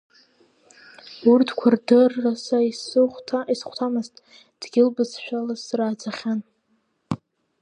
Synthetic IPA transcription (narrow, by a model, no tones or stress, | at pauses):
urtʰkʷʰardɨrːasaisɨχʷtʰisχʷtʰamɨztʼ | d̥ɡʲɪlbɨzʃᶣalazsraːd͡zaχʲan